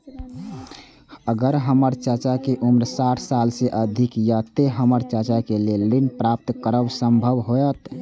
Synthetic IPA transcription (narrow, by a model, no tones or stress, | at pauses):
əɡəɾɦəməɾt͡ʃət͡ʃakeʔumɾsaʈʰsalseʔəd̪ʱikjat̪eɦəməɾt͡ʃət͡ʃakelelinpɾap̚t̪kəɾəwsəmbʱəwɦoət̪